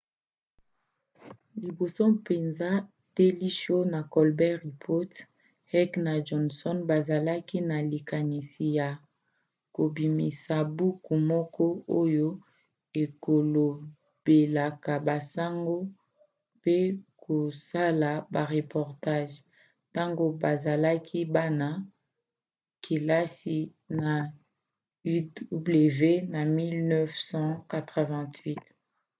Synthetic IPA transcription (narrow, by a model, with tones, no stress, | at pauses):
li˨bo˨sɔ˦pe˨nza˦ | te˦li˦ʃo˦na˨kɔ˨lbɛ˦ʁi˨pʰo˦t | hɛ˦kna˨d͡ʒɔ˨nsɔ˦nba˨za˨la˦ki˦na˨li˨ka˨ni˨si˨ja˨ | ko˨bi˨mi˨sa˨bu˦ku˨mɔ˦kɔ˦o˦jo˦ | e˨ko˨lo˨ | b̥e˨la˨ka˨ba˨sa˦ŋɡo˦ | pe˦kʰo˨sa˦la˨ba˨ʁe˨pɔ˨ʁta˦ʒ | ta˦ŋɡo˦ba˨za˨la˦kʰi˦ba˦na˦ | kʰe˨la˦si˦˨ | na˨ | y˦du˦ble˨ve˦na˨mi˦lnɛ˦fsɑ̃˦ka˨tʁə˨vɛ̃˨tʰɥi˦t